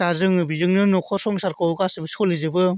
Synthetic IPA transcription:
azɯŋɯbizɯŋnɯnukʰɔsɔŋsaɾkʰɯwɡasɯbɯskʰɔlizɯbɯ

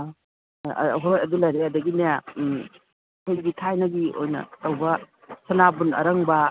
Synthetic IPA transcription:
ɦojɐdulɐjɾeɐdɐɡineja | kʰojɡitʰajnɐɡio̰jnɐ̰tɐwbɐ | sɐnabunɐ̰ɾɐŋbɐ

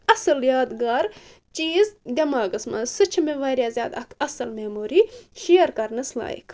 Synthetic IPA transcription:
ɐsɨljaːd̪ɡaːɾ | t͡ʃiːzd̪ʲɐmaːɡɨsmɐnsɨt͡ʃʰɐmeʋɐɾjaːzʲjaːd̪ɐkʰɐsɨlmeːmuːɾiːʃiːɐɾkɐɾnɨsla̰ːjḭkʰ

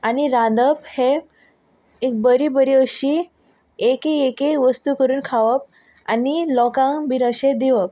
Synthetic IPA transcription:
aniɾãd̪əphe | ek̚bəɾibəɾiəɕi | ekeekeʋəst̪ukəɾuːnkʰaʋəp̚ | anilɔkãŋbʱiɾəɕed̪iʋəp̚

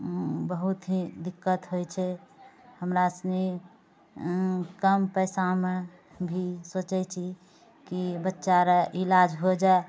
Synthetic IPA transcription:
bəɦut̪ɦid̪ikːət̪ɦojt͡ʃʰɛhəmɾasni | kəmpəjsame | bʱisot͡ʃɛt͡ʃʰi | kibətːʃaɾəʔilad͡ʒɦod͡ʒae

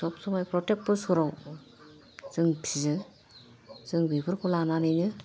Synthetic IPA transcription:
sɔp̚sɔmajpɾɔtek̚pɯɾsuɾaw | z̥ɯŋpʰizɯ | zɯŋbibɯɾkʰɔlananɯjnɯ

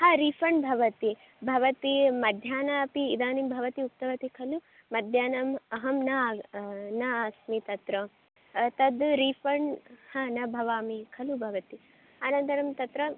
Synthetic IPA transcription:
haːɾifɐɳbʱɐʋɐt̪i | bʱɐʋɐt̪imɐd̪ʱjaːnɐɐpiːd̪aːnimbʱɐʋɐt̪iuk̚t̪ɐʋɐt̪ikʰɐlu | mɐd̪ʱjaːnɐmɐɦɐmnɐ | nɐaːsmit̪ɐt̪ɾɐ | t̪ɐd̪ɾifɐɳhaːnɐbʱɐʋaːmikʰɐlubʱɐʋɐt̪i | aːnɐnt̪ɐɾɐmt̪ɐt̪ɾɐ

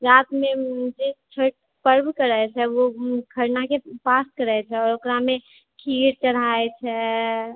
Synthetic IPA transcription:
ɾaːt̪mẽd͡ʒet͡ʃʰəʈ̚ | pəɾbkəɾəɛt͡ʃʰɛʋokʰəɾnakepaːskəɾɛɛt͡ʃʰɛɔːɾokɾamẽ | kʰiːɾt͡ʃəɽ̤aet͡ʃʰɛ

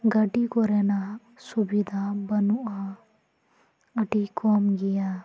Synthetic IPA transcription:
ɡɐʈikɔɾɛna | subid̪ʱabɐnuʔa | ɐʈikɔːmɡijaː

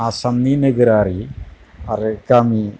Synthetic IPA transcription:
asɐmnineɡɐɾaːri | ɐrekami

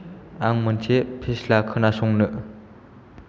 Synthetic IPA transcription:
aŋmənt͡ɕʰepʰeslakʰənasoŋnəʔ

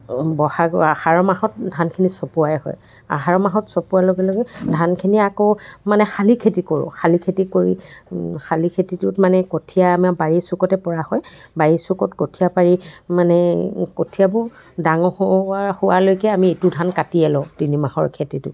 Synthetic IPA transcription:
bɔhaɡahaɹɔmahɔt̚dʱankʰinisopuaɛhɔ̰j | a̰ɦaɹɔmaɦɔtsopualoɡɛloɡɛdʱankʰiniakomanɛxalikʰetikoɹʊ̰̃xʰalikʰetikoɹḭxalikʰetitʊtmanɛkotʰijaːmabaɹisukɔtɛpɔɹahɔjbaɹisukɔtkotʰijapaɹimanɛkotʰijabʊ | daŋɔahʊwalojkɛamietudʱankatiɛlɔ̃tinimahɔ̰ɹkʰetitʊ̰

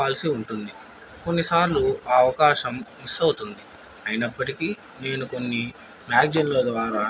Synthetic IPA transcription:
aːlisiuɳʈund̪i | ko̞nːisaːɾluɐɐʋɐkaːʃɐmʋisɐwut̪und̪i | ɐjinɐpːɐʈiki | ne̞ːnuko̞nːi | maːɡ̚d͡ʒɐnloːd̪ʋaːɾa

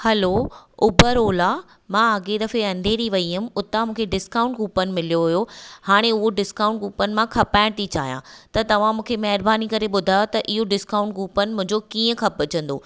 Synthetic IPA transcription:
hɐloʊbəɾoːla | mãːɐɡed̪ɐfeɐ̃nd̪ʱeɾiʋɐiɦʊmʊt̪amũːkʰeɖɪskaːʊ̃ɳʈɡuːpənɪ̆mɪlijoɦʊjohaːɽ̃eʊɦoɖɪskaːʊ̃ɳʈ̚ɡuːpənɪ̆mãkʰɐpaːɪɽ̃t̪it͡ɕa̰ːɦjã̰ːt̪ɐt̪ɐʋ̤ãmũːkʰemɐɦɪɾbaːnikɐɾeɓʊd̪ʱaːjot̪ɐʔɪɦoɖɪskãʊ̃ɳʈ̚ɡuːpənɪ̆mʊ̃ɦɪ̃ɲd͡ʑokiːə̃kʰɐpɐt͡ɕə̃nd̪o̰ː

